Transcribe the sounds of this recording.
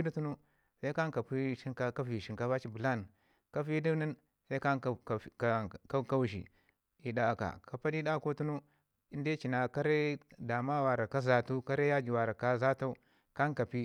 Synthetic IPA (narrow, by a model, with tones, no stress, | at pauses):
i˦di˦tu˦nu˦ | sa˦i˦ka˦ŋka˨pi˦ʃi˦ka˦ka˦fi˨ʃi˨ŋka˦va˦t͡ʃi˦bu˨la˦n | ka˦fi˦di˦ni˦n | sa˦ka˦˨ka˦ka˦u˦ʃḭ˨ | i˨da˦˨ka̰˨ka˨pa˦di˦da˦ko˦tu˦nu˦ | i˦nde˦t͡ʃi˨na˨ka˦ɾe˦da˨ma˦wa˨ɾa˨ka˦za˨tu˦ka˦ɾe˦ja˦d͡ʒi˨wa˨ɾa˨ka˦za˦ta˦u˦ | ka˦n˦ka˨pi˦